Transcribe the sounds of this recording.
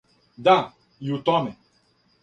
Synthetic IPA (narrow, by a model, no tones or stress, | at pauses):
da | jutɔmɛ